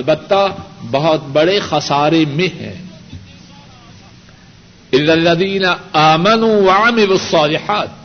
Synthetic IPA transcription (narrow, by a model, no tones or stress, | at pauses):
ɐlbɐt̪ːabɐɦʊt̪̚bɐɽexɐsaːɾemẽɦɛ̰̃ː | ɪlːalːɐðiːnɐaːmɐnuːwɐʕamɪlusˤːɑːlɪħaːt̪̚